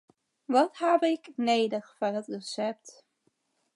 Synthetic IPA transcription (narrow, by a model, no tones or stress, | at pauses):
ʋɑthɛbɪknejdəχfɑnɦətrəsɛp̚t